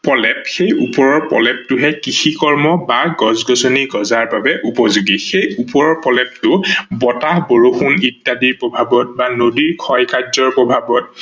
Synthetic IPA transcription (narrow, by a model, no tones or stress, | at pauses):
pɔlɛpxejupɔɹɔɹpɔ̰lɛp̚tʊɦɛkixikɔɹmɔbaɡɔzɡɔsoniɡɔzaɹbabɛʔupɔzuɡixejupɔɹɔɹpɔlɛp̚tʊbɔtahboɹoxunitːadiɹpɹɔbʱabɔt̚banodiɹkʰɔjkazɔɹpɹɔbʱabɔt̚